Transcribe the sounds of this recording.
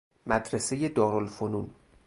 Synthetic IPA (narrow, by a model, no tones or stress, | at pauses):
mæd̪ɾese̞je̞d̪ɒːɾolfonun